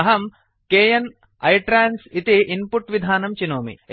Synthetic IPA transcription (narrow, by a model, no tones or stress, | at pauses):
ɐɦɐm | keːjɐn | ɐjʈɾaːnsit̪iʔinpuʈʋid̪ʱaːnɐmt͡ʃinoːmḭ